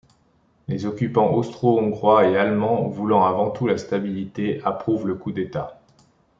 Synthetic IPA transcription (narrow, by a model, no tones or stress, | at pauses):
lezɔkʲypɑ̃ʔɔst̪χoɔ̃ɡʁwaealmɑ̃vulɑ̃avɑ̃t̪ulast̪abilit̪eapχuvləkud̪et̪a